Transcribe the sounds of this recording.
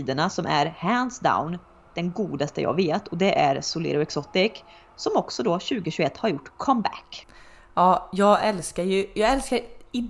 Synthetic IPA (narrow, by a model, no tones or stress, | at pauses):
iːd̪əɳasɔmʔæɾhænsd̪a̰ʊn | d̪̥ɛnɡuːd̪ast̪ə̰jɑ̰ːveːt̪ʰɔd̪ɛʔæɾsʊlɪ̰ːɾʊɛksɔt̪ːɪk | sɔmɔksɔd̪ɔɕʉ̟ːɡəɕʉːɡɛt̪ːhaɾjʊʈːkʰɔmbæ̰k | ɑːjɑːɡɛlskaɾjɵjɑːɡɛlskaɾɪ